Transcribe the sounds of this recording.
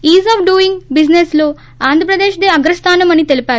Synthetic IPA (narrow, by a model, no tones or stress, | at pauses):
iːzaːpʰɖuːiŋɡbid͡ʒnesloː | aːnd̪ʱɐpɾɐd̪eːʃd̪eɐɡɾɐst̪ʰaːnɐmɐnit̪e̞lipaːɾu